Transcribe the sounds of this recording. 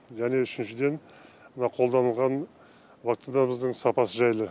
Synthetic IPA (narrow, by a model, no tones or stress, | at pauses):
ʒæne̞ʏʃɪnʃɪd̪e̞n | mənɑqʰo̞lˠd̪ɑnəlˠʁɑn | vakt̪inaməzd̪əɴsɑpɑsəʒɑjlˠə